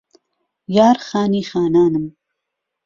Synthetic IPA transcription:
jɑːɾxɑːnixɑːnɑːnəm

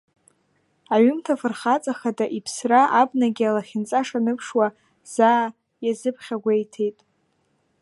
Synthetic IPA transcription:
aɥʏmtʰafɨrχat͡sʼaχadaʔipʰsraʔabnaɡʲialaχʲɪnt͡sʼaʂanɨpʰʂwa | z̥aː | jazɨpʰχʲaɡʷejtʰe̞jtʼ

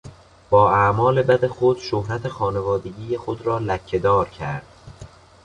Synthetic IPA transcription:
b̥ɒːæmɒːle̞bæd̪e̞xod̪̥ʃohɾæt̪ʰexɒːne̞vɒːd̪e̞ɡijexod̪ɾɒːlæcʰːe̞d̪ɒːɾcʰæɾd̪̥

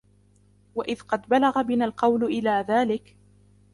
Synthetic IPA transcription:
waʔɪðqɑd̪balaɣabɪnalqɑwlʔɪlaːðaːlɪk

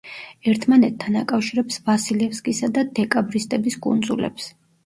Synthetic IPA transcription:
ɛɾt̪ʰmanɛt̪ʰːanakʼafʃiɾɛpsvasilɛfskʼisad̪ad̪ɛkʼabɾist̪ʼɛbiskʼṵnd̪zṵlɛ̰ps

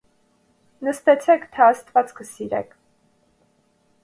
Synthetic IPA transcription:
nəst̪ɛt͡sʰɛkʰt̪ʰɛɑst̪vɑt͡skʰəsiɾɛ̰kʰ

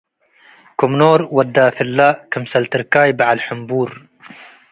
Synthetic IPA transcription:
kʊmnoːɾwɐd̪ːaːfɪlːaːʔkɪmsɐlt̪ɪɾkaːjbaʕalħʊmbuːɾ

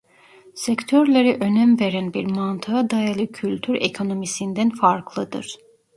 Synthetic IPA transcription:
sɛct̪ʰøɾlʲeɾiʔø̞næmve̞ɾænbiɾmant̪ʰɯad̪ajalˠɯcʰylʲt̪ʰyɾḛkʰo̞no̞misind̪ænfaɾkʰlˠɯd̪ɯ̰ɾ̥

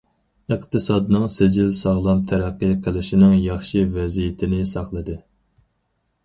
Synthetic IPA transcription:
ɨqt̪ʰɨsɑːd̪nɨŋsɪd͡ʒilsɑʁlˠɑmt̪ʰæɾæqːɨqʰəlˠɪʃinɪŋjɑχʃivɛzijɪt̪ʰɪnɪsɑχlˠɨd̪ɨ

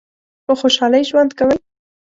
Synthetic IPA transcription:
pəxoʃɑləjʒwand̪kawəj

